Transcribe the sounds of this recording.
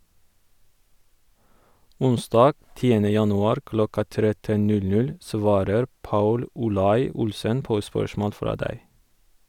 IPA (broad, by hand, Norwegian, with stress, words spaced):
ˈʊnˌsdɑːɡ ˈtiːənə ˈjɑnʉˌɑːɾ ˈklɔkɑ ˈtɾɛtən ˈnʉlˌnʉl ˈsʋɑːɾəɾ ˈpɑʉl ʊˈlɑɪ ˈʊlsən ˈpoː ˈspœʃmoːl ˈfɾɑː ˈdæɪ